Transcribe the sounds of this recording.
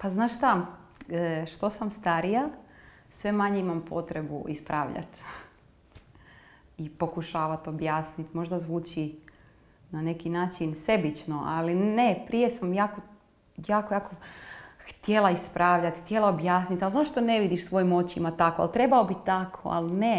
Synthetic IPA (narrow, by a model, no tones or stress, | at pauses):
paznaːʃʃt̪a | ʃt̪osamst̪aɾija | sʋe̞maɲeimampʰo̞t̪ɾebṵʔḭspɾaːʋʎa̰t̪ | ipo̞kuʃaːʋat̪objaːsnit̪mo̞ʒd̪azʋuːt͡ɕi | nane̞kinaːt͡ʃinse̞bit͡ʃnoʔaline̞pɾije̞samjaːko | jaːkojaːkoxt̪je̞lˠaispɾʔaːʋʎat̪xt̪ʲjelˠaobjaːsnit̪alˠzaʃt̪one̞ʋid̪iʃsʋo̞jimot͡ɕimat̪akoa̰lˠt̪ɾe̞baobit̪akʰo̰a̰lne